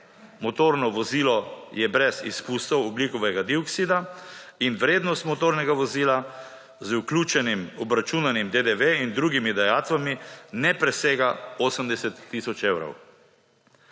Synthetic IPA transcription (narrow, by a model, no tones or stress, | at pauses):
mɔt̪oɾnɔʋɔziːlɔjɛbɾɛsḭspust̪ɔwɔblikɔʋɛɡad̪iɔksid̪ainʋɾeːd̪nɔst̪mɔt̪oːɾnɛɡaʋɔziːla | zuklʲjuːt͡ʃɛnimɔbɾat͡ʃuːnanimd̪ed̪eʋeind̪ɾuːɡimid̪ajaːt̪ʋaminɛpɾɛseːɡaoːsəmd̪ɛsɛt̪ːisɔt͡ʃewɾɐ̰w